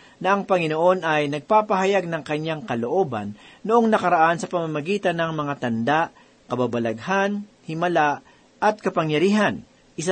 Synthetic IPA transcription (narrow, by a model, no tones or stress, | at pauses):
nɐʔɐŋpɐŋɪnoʔo̞nʔɐjnɐɡ̚paːpɐɦɐjaɡ̚nɐŋkɐɲːaŋkɐloʔo̞ːba̰nːoʔo̞ŋnɐkɐɾaʔansɐpɐmamɐɡiːt̪ɐnːɐŋmɐŋat̪ɐnd̪aʔ | kɐbabɐlɐɡhan | hɪmɐlaʔ | ʔɐt̪̚kɐpɐŋjɐɾiːɦɐn | ʔɪsa